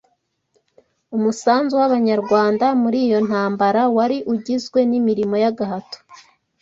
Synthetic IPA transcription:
umusaːnzuwaβaɲaɾɡwaːndamuɾiːjo̞n̥haːmbaɾawaɾiʔuɟizɡwe̞nimiɾimo̞jaɡaɦato̥

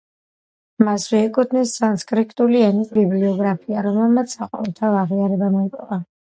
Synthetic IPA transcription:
masvɛɛkʼut̪ʰnisːanskʼɾikʰt̪ʼuliɛnisbibliɔɡɾapʰiaɾɔmɛlˠmat̪sʰsaqʼɔ̰vɛlˠt̪ʰavaʁiaɾɛbamɔipʼɔva

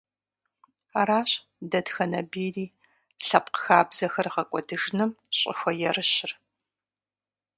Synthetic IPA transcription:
aɾaːɕ | dɐdxɐnɐbeːriː | ɬɐpqxaːbz̥ɐxɐrʁɐkʷʼɔdɨʒnɨmɕʼɪ̰xʷɐjɛrɨɕɪr

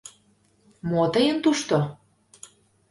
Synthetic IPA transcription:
mot̪əjənt̪uʃt̪o

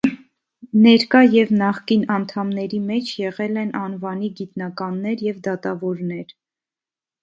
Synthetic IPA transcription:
nɛɾkɑjɛvnɑχkinɑnt̪ʰɑmnɛɾimɛt͡ʃʰjɛʁɛlɛnɑnvɑniɡit̪nɑkɑnːɛɾjɛvd̪ɑt̪ɑvɔɾnɛɾ

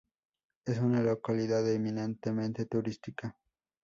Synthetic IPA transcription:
esunalokaliðaðeminent̪emẽ̞nt̪e̞t̪uɾist̪ika

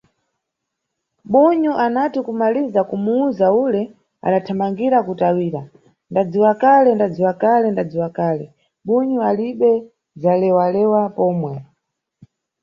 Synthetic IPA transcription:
ɓuɲuʔanatikumalizakumuuzaulɛ | a̰ɗatʰamaŋɡiɾakutawiːɾa | ndad͡ziwakalɛndad͡ziwakalɛndad͡ziwakaːlɛ | ɓuɲualiɓɛ | d͡zalɛwalɛwapɔːmwɛ

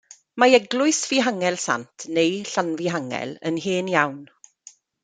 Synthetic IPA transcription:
maɛɡlʊɨsviɦaŋɛlˠsa̰ntʰnejɬanviɦaŋɛ̰lˠə̰nɦeːnjawn

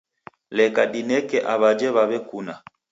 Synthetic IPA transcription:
lɛkaɗinɛkɛʔaβad͡ʒɛβaβɛkuna

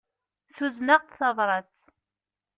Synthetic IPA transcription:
θuznaʁθɑðˤɾˤɑt͡s

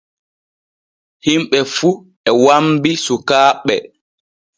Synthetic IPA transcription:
himɓɛfu | ɛwambisukaːɓɛ̰

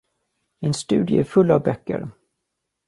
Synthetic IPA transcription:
ɛnst̪ʉ̟ːd̪jə̰æɾfɵlːavbœkːə̰ɾ

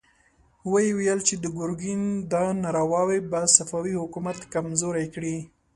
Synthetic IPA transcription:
wəjewijəlt͡ʃed̪əɡʊɾɡind̪ɑnaɾawɑwebasafɑwihʊkumat̪kamzoɾajkɽi

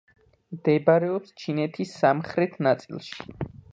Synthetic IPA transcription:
md̪̥ɛbaɾɛɔpst͡ʃʰinɛt̪ʰisːamχɾɛt̪ʰnat̪sʼḭlˠʃi̥

